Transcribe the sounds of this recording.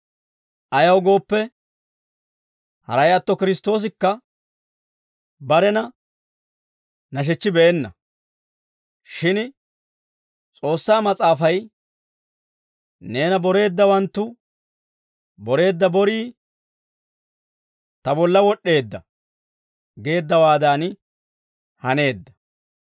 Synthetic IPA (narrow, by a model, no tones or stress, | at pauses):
ʔɐjɐwɡo̞ːpːɛ | hɐ̰ɾɐjɐt̪ːɔkɪɾɪst̪o̞ːs̬ɪkːɐ | bɐɾɛnɐ | nɐʃ̬ɛt͡ʃːɪbɛːnːɐ̰ | ʃɪn | t͡sʼo̞ːsːaːmɐt͡sʼaːfɐj | ne̞ːnɐbɔɾe̞ːd̪ːɐwɐnt̪ːʊ | bɔɾe̞ːd̪ːɐbɔɾiː | t̪ɐbɔlːɐwɔɗːe̞ːd̪ːɐ | ɡe̞ːd̪ːɐwaːd̪aːn | hɐne̞ːd̪ːɐ̥